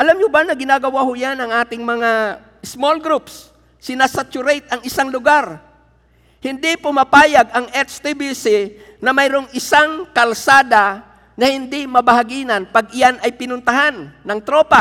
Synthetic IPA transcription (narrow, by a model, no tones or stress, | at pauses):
ʔɐlamɲʊbanɐɡɪnaɡɐwahʊjanɐŋʔaːt̪ɪŋmɐŋa | smolɡɾupsː | ɪnasat͡ʃʊɾejt̪ɐŋɪsaŋlʊɡaɾ | hɪnd̪ɪpʊmɐpaːjaɡɐŋʔɛt͡ʃt̪ibisi | nɐmɐjɾʊŋʔɪsaŋkɐlsaːd̪a | nɐhɪnd̪ɪmɐbɐhaɡiːnɐnpaɡʔɪjanɐjpɪnʊnt̪ɐhanːɐŋt̪ɾopa